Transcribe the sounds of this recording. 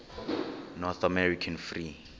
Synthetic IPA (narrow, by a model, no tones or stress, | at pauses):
nɔθamɛɾikʰanfri